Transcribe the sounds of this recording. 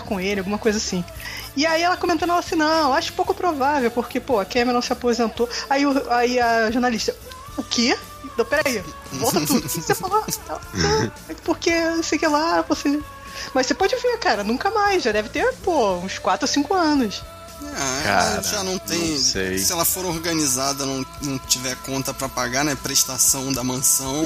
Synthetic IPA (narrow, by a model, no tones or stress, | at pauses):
ɾkõelɪawɡũmɐkojzɐasĩ | ɪaiɛlɐkõmẽnt̪ɐnfɛlɐsĩnɐ̃w̃aʃʊ̥powkʊpɾovavewpoɾkepoɐkẽmeɾɐ̃w̃sɪapozẽnt̪oaiʊaiɐʒoɾnaliʃt̪ɐ | ʊkʰe | d̪ɐ̃pɛɾai | vɔwt̪ɐt̪ud̪ʊkkɪ̥sefalot̪anɐ̃w̃ | poɾkesekelavose | mɐssepɔd͡ʒɪvekaɾɐnũkɐmajzʒad̪ɛvɪt̪eɾpoũskwat̪ɾʊsĩŋkʊɐ̃nʊs | ɛɛka̰ʒanɐ̃w̃t̪ẽj̃sḛjsɪɛlɐfoɾoɾɡɐnizad̪ɐnɐ̃w̃nɐ̃w̃t͡ʃivɛkõnt̪ɐpɾɐpaɡanɛpɾeʃt̪asɐ̃w̃d̪ɐmɐ̃sɐ̃w̃